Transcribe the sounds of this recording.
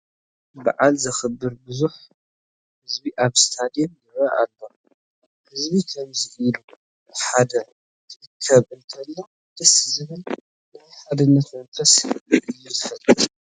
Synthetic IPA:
ba̰ʕalzɐxɨbːɨɾbɨzuħ | hɨzbiʔaβst̪ʰad̪jomjɨβaʔalːom | aβhɨzbikʰɐmzɨʔilu | ħad̪ɐ | tʰɨɨkʰːɐβɨlt̪ʰɐlːo | d̪̥ɐszɨβɨl | nɐβħad̪ɨnːɐt̪mɐnfɐsʔɨjːɛt̪ʰɨfɐt̪ʼːɨ

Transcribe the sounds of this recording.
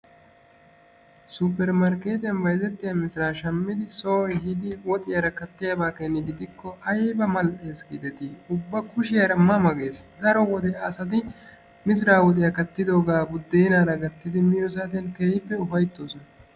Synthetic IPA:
supːɛɾmɐɾkeːt̪ɪjɐnbɐjzɛt̪ːɪjɐmɪsɾaːʃɐmːɪd̪ɪsoːjɦɪd̪ɪwɔt̪ʼɪjɐɾɐkɐt̪ːɪjɐbaːkenːɪɡɪd̪ɪkːɔʔɐjbɐmɐlʔeːsɡɪd̪ɛt̪ɪʊbːɐkʊʃɪjɐɾɐmɐmɐɡe̞ːsd̪ɐɾɔwɔd̪ɛɐsɐd̪ɪ | mɪs̬ɪɾaːwɔt̪ʼɪjɐkɐt̪ːɪd̪o̞ːɡaːbʊd̪ːeːnaːɾɐɡɐt̪ːɪd̪ɪmɪjɔs̬aːt̪ɪjɐnkɛhɪpːɛʊfɐjt̪ːo̞ːsɔnɐ

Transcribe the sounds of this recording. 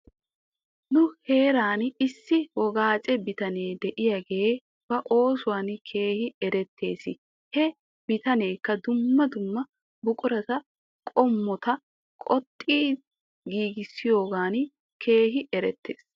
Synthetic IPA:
nʊhe̞ːɾaːnɪsːɪwɔɡaːt͡ʃʼɛbɪt̪ɐne̞ːd̪ɛʔɪjɐɡe | b̥ɐʔo̞ːsʊwaːnkʰe̞ːhɪɛɾɛt̪ʰːe̞ːsɪ | hɛ | bɪt̪ɐne̞ːkːɐd̪ʊmːɐd̪ʊmːɐ | bʊkʼʊɾɐt̪ɐ | kʼɔmːɔt̪ɐ | kʼɔt̪ʼːiː | ɡiːɡɪsːɪjo̞ːɡaːn | kʰe̞ːɦɪʔɛɾɛt̪ːḛːs

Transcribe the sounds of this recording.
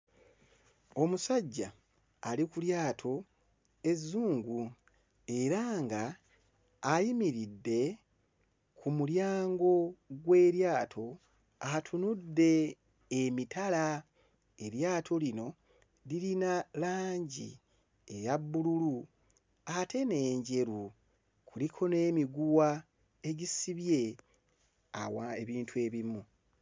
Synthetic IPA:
o̞musaɟːa̰ː | likuljaːtʰo̞ | e̞zːuːŋɡu | e̞ɾaːŋɡaː | jimiɾidːe̞ | kʰumuljaːŋɡo̞ɡwe̞ːɾjaːtʰo̞ | atʰunudːe̞ː | mitʰala | eɾjaːtʰo̞lino̞ | liɾinalaːɲɟḭ | ejabːululu | atʰe̞ne̞ːɲɟe̞ɾu | kʰulikʰo̞ne̞ːmiɡuwa | e̞ɟisiβje̞ | a̰wa̰eβiːntʰue̞ːβimu

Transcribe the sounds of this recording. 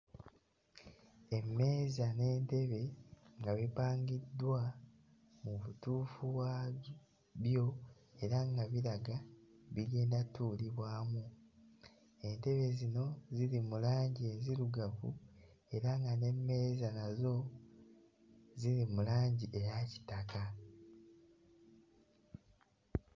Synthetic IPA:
e̞mːe̞ːzane̞ːnte̞βe̞ŋɡaβipaːŋɡidːwa | muβituːfuβwa | βjo̞ | e̞ɾaŋɡaβiɾaɡaβiɡe̞ːndatuːliβwaːmu | e̞nte̞βe̞zino̞ziɾimulaːɲɟie̞ziɾuɡavṵ | e̞ɾaŋɡane̞mːe̞zanazo̞ | ziɾimulaːɲɟiʔe̞jaci̥taka

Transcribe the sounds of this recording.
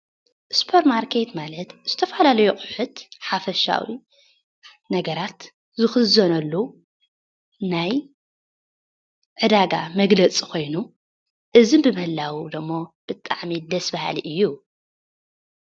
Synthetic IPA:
su̥pʰɐɾmaɾkʰet̪malɐt̪z̥ɨt̪ʰɐfɐlalɐjukʼʊħʊt̪ħafɐʃa̰wḭ | nɐɡɐɾat̪ | zɨxɨzɐnɐlːu | naj | ʕɨd̪aɡa̰mɐɡlɐt͡sʼikʰo̞jnu | ʔɨzɨnbɨmɨhɨlːawud̪ɨmːob̥ɨt̪ʼːa̰ʕmid̪ɐsbaha̰liʔɨjːu

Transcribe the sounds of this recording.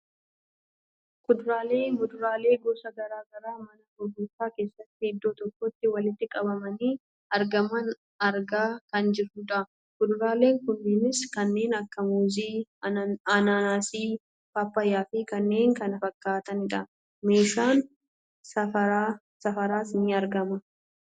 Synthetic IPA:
kʊd̪ɾaːle̞ːɡʊd̪ʊɾaːle̞ːɡoːsɐɡɐɾaːɡɐɾaːmɐnɐbʊbʊfaːke̞ːsːɐt̪ːɪhɪd̪ːo̞ːt̪ɔkːɔt̪ːɪwɐlɪt̪ːɪkʼɐbɐmɐniː | ɐɾɡɐmɐn | ɐɾɡaːkɐnd͡ʒɪɾːʊᶑ̪ɐʔ | kʊd̪ɾaːleːŋkʊnːɪnɪskɐnːe̞ːnɐkːɐmuːziː | ɐnaːnaːsiː | faːpːɐjaːfikɐnːe̞ːŋkɐnɐfɐkːaːt̪ɐnɪᶑɐ | me̞ːʃaːn | sɐɐ | sɐfɐɾaːsɪniːɐɾɡɐmɐ

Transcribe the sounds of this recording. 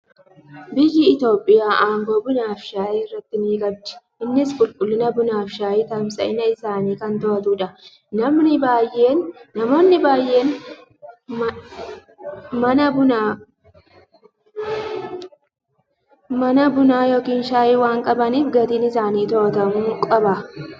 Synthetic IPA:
bɪjːɪːt̪o̞ːpʼːɪjaːʔaːŋɡoːbʊnaːfʃaːʔeːɪrːɐt̪ːɪniːɡʼɐb̚d͡ʒɪ̥ʔɪnːɪsbʊlkʼʊlːɪnɐbʊnaːfʃaːʔiːt̪ɐmsɐɪnɐɪsaːniːkɐnt̪oːt̪uːᶑɐ | nɐmnɪbaːjːeːnːɐmo̞ːnːɪbaːjːe̞ːn | m | mɐnɐbʊna | mɐnɐbʊnaːjoːkiːnʃaːʔiːwaːŋkʼɐbɐniːfɡɐt̪iːnɪsaːniːt̪o̞ːt̪ɐmuːkʼɐbɐ

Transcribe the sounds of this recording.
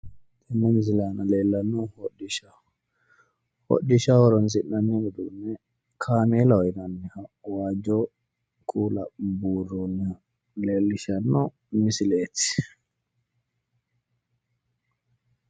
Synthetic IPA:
t̪ɛnːɛnzɪlaːnɐle̞ːlːɐnːɔhɔɗɪʃa | hɔ̰ɗɪʃawɔɾɔns̬ɪnːɐnːɛɡɔd̪unːɛ | kʰaːmeːlɐɔjnɐnːɛhɐwaːd͡ʒɔ | kʼuːlɐ̰buːrːɔnːɛhɐ | le̞ːlːɪʃɐnːɔ | mɪsɪleːt̪ːɪ̥

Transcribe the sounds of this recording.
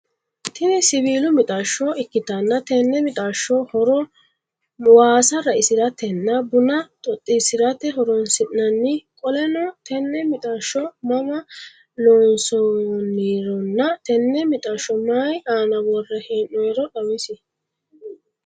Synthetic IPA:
t̪ʰɪnɛsɪβiːlʊmɪt̪ʼaʃːɔɪkːɪt̪ɐnːɐt̪ɛnːɛmɪt̪ʼaːʃːɔhɔɾɔ | waːsɐɾɐɪsɪɾɐt̪ːɛnːɐbʊnɐt̪ʼɔt̪ʼːɪsɪɾɐt̪ɛɦɔɾɔnsɪʔnɐnːɪkʼɔlɛnɔt̪ɛnːɛmɪt̪ʼaːʃːɔmɐmɐ | lɔːnsɔniːɾɔnːɐt̪ɛnːɛmɪt̪ʼaːʃːɔmaːjaːnɐwɔrːɛheːnːɔjɛɾɔɗɐwɪsɪ

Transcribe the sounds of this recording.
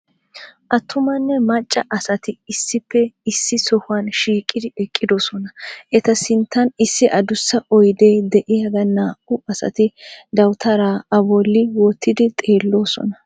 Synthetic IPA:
ʔɐt̪ʰːʊmɐnːɛmɐt͡ʃʼːɐʔɐsɐt̪ɪɪsːɪpːɛɪsːɪsɔhʊɐnʃiːkʼːɪd̪ɪɛkʼːɪd̪osɔnɐʔɛt̪ɐsɪnt̪ːɐnɪsːɪʔɐd̪ʊsːɐʔɔjd̪e̞ːd̪ɛʔɪjɐɡɐnːaːʔʊʔɐsɐ̰t̪ɪd̪ɐwt̪ʰɐɾaːɐbɔlːɪwɔt̪ʰːɪd̪ɪt̪ʼe̞ːlːo̞ːsɔ̰nɐ

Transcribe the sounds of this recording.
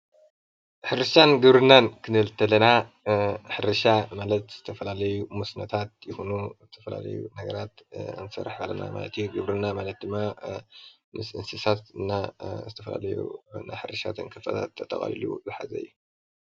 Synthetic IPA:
ħɨɾɨʃanɡɨβɾɨnːankʰɨnɨɨlt̪ʰɐlɐna | ħɨɾɨʃamalɐt̪z̥ɨt̪ʰɐfɐlalɐjumusnɐt̪ʰat̪̚jɪxunuzɨt̪ʰɐfɐla̰lɐ̰jṵnɐɡɐɾat̪ɨ̰nɨsɐ̰ɾːaħhalːɐna̰ma̰lɐ̰t̪ʰijuɡɨβɾɨnːamalɐt̪̚d̪ɨmːa | mɨsɨnsɨsat̪ɨnːazɨt̪ʰɐfɐla̰lɐjṵna̰jħɨɾʃa̰t̪ʰɨnkʰɨfɐ̰t̪ʰa̰t̪ʰːɐt̪ʼːɐχʼa̰lḭlṵzɨħa̰zɐ̰ɨjːu

